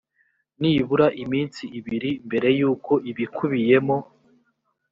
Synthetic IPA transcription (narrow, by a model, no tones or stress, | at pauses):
niβuɾaʔimiːnsiːβiɾimbe̞ɾe̞juːko̞ʔiβikʰuβije̞mo̞